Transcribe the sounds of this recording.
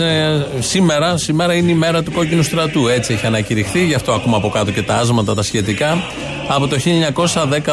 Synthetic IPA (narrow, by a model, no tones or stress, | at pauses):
sime̞ɾɐsime̞ɾɐineime̞ɾɐt̪uko̞cinust̪ɾɐt̪uet͡sie̞çiɐnɐciɾixθiʝɐft̪oɐkumɐpo̞kɐt̪o̞ce̞t̪ɐɐzmɐt̪ɐt̪ɐsçe̞t̪ikɐː | po̞t̪o̞çiʎɐɲɐko̞sɐðe̞kɐ